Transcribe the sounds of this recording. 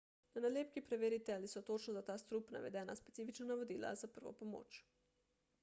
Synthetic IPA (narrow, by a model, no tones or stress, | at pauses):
nanaleːp̚kipɾɛʋeːɾit̪ɛalisɔt̪ot͡ʃnɔzat̪aːst̪ɾupna̰ʋɛ̰d̪ɛːna̰spɛ̥t̪siːfit͡ʃnɔnaʋod̪iːla̰zapəɾʋɔ̰pomo̰ːt͡ʃ